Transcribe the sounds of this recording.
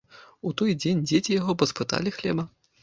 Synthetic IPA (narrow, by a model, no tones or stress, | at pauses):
ut̪ɔjd͡zʲenʲd͡zʲet͡sʲijaɣɔpɔspɨt̪a̰lʲixlʲɛ̰bɐ